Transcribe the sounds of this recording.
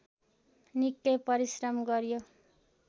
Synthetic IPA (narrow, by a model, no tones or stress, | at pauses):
nikːʌjpʌɾisrʌmɡʌɾjo